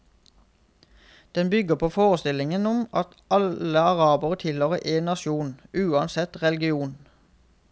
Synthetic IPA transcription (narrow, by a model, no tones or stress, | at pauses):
d̪̥ɛnbʏɡəpʰoːfoːʁəst̪ɪlɪŋənʊmɑt̪ | ɑləɑʁɑːbəʁət̪ʰɪlhøːʁə̰ʔeːnɑʃuːnʉːɑnsɛt̪ʁɛlɡɪuːn